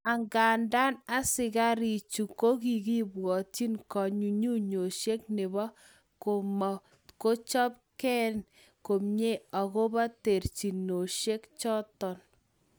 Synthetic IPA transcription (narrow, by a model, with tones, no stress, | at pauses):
a˨ŋɡa˨nda˦na˦sɪ˨ka˦ɾi˨t͡ʃu˨ko˦ki˨ki˦bwɔ˨ti˦nkɔ˨ɲu˨ɲu˦ɲo˨ʃe˦knɪ˨βɔ˦ | ko˨ma˨ | ko˦t͡ʃɔ˦p̚kɛ˦n | ko˨mɲe˦ɔ˨ɣo˦ba˦te˨ɾt͡ʃi˨no˨ʃe˦kt͡ʃɔ˦tɔ˨n